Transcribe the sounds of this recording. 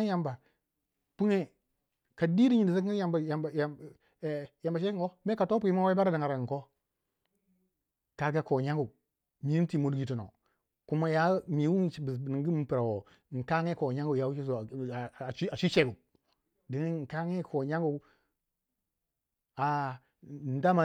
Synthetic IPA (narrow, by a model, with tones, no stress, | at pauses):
ja˨mba˨ | pu˦ŋe˦ | ka˨di˦ɾi˦ɲi˨di˨sa˦kja˨ja˨j | ja˨mba˨ʃe˦i˦ŋo˦me˦ka˨to˦p̬u˦ji˦ma˦wa˦i˦ba˦ɾa˦da˨ŋa˨ɾa˨ko˦˨ | ka˨ɾɡa˦ko˨ɲa˦ŋɡu˨ | mi˨i˦ti˨mo˨du˦ɡi˨to˨no̰˨ | ku˦ma˦ja˦mi˨wu˦ŋ˦˨bi˨ni˨ŋ˦ɡi˦m˨pi˨ɾa˨wo˨ | ŋ̩˨ka˦ŋe˦ko˨ɲa˦ŋɡu˨ja˨˦wu˦i˦˨˦ | a˨t͡ʃi˦t͡ʃe˦ɡu˨ | di˨ŋi˦˨ŋ̩˨ka˦ŋe˦kʰo˨ɲa˦ŋɡu˨ | a˨ | n˦da˦ma˨